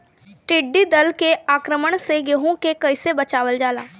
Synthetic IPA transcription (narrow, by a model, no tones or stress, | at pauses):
ʈɪɖːid̪əlkeʔaːkɾəməɳ̃seɡeɦõkekəɪsebət͡ʃaːʋəld͡ʒaːla̰ː